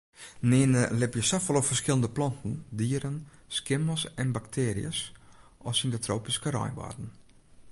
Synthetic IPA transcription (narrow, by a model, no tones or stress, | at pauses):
nɪːnəlɪpjəsafɔlˠɔfərskɪlˠəndəplɔntn̩diːəɾənskɪməsɛnbaktʰeːɾḭə̰sɔfsindətʰroːpiskəɾɔ̰jʋɔ̰rdn̩